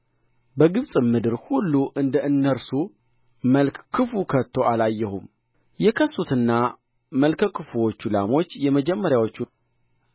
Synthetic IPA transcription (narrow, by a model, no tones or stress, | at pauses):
bəɡɨβsʼɨmɨd̪ɨɾhulːuʔɨnd̪əʔɨnːəɾsu | məlkkʰːɨfukʰət̪ʰːo̞alajːɛhum | jɛkʰəsːut̪ɨnːa | məlkʰəkʰɨfuwot͡ʃːulamo̞t͡ʃːjɛməd͡ʒɛmːəɾjawo̞t͡ʃːu